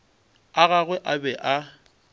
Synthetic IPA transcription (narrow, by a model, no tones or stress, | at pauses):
aɣaɣwɛʔabɛʔa